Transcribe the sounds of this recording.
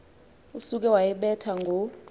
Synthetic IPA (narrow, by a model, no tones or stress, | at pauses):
usuk̬ɛwajɛɓɛtʰaŋɡʱo